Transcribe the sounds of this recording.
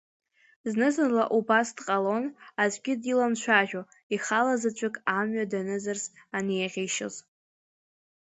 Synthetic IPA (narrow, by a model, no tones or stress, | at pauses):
znɨzarla̰ʔubasdqʼalo̞nazʷʼɡʲɪdilamt͡ʃʷʰaʒʲᶣo | iχalazɨt͡ʃʷʰʼɨkʼamɥadanɨzarsanejʁʲejʃɪ̰z